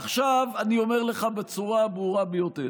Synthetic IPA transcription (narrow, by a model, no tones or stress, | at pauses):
aχʃavanio̞me̞ʁle̞χabet͡suʁabʁuʁabejo̞te